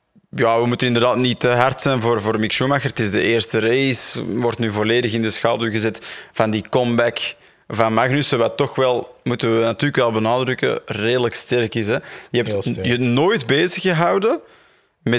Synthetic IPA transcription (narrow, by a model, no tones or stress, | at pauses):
jaːʋəmutənɪndərdaːtnitəɦartsɛjnvoːrvoːrmɪkʃumaxərtɪzdəeːrstərejsʋɔrtnyːvoleːdəxɪndəsxaːlˠdylˠɣəzɛtfɑndiːkɔmbɛk | vɑnmaɣnysəʋatːɔxʋɛlˠmutənʋənatyːrləkʋɛlˠbənaːdɾʏkə̰reːdələkstɛrkɪsɛjəɦɛp̚tjənoːjtbeːzəxəɦɑwdən | mɛ